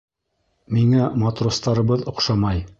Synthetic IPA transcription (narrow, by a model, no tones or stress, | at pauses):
miŋæmat̪rost̪ɑɾɤ̆βɤðŏqʃɑmɑj